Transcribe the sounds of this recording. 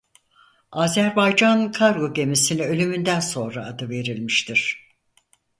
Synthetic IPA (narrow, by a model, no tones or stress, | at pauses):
aːzæɾbajd͡ʒankʰaɾɡo̞ɟe̞misiniø̞lʲymynd̪ænso̞nɾaːd̪ɯve̞ɾilʲmiʃt̪ʰiɾ̥